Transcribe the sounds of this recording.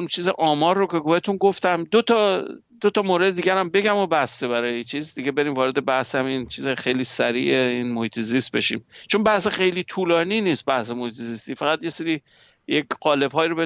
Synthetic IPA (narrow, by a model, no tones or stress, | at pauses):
unt͡ʃʰiːzeʔɒːmɒːɾːoke̞ɡohet̪ʰunɡoft̪æmd̪ot̪ʰɒ | d̪̥ot̪ʰɒːmoːɾed̪ed̪iːɡʲæɾæmbe̞ɡæmobæst̪ebæɾɒːjeit͡ʃʰiːzd̪iɡebe̞ɾiːmvɒːɾe̞d̪e̞bæhsæmint͡ʃʰiːzexejliːsæɾḭːeiːnmohiːt̪ʰezist̪̚be̞ʃḭːmt͡ʃʰo̞nbæhsexejliːt̪ʰuːlɒːniːniːst̪̚bæhsemohiːt̪ʰezist̪iːfæɣæd̪je̞seɾiː | jekɢɒːle̞bɦɒːjiɾoe